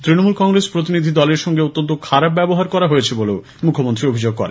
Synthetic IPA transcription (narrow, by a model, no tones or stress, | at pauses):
t̪ɾinomulkɔŋɾespɾot̪̬inid̪ʱid̪ɔleɾʃɔŋɡeot̪ːont̪okʰaɾab̚bɛboɦaɾkɔɾaɦojet͡ɕʰeboleo | mukʰomont̪ɾiɾobʱid͡ʑoɡ̚kɔɾḛnn